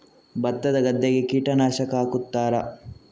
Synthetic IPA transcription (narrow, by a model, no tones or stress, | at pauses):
bɐt̪ːɐd̪ɐɡɐd̪ːeɡekiːʈɐnaːʃɐkaːkut̪ːaːɾɐ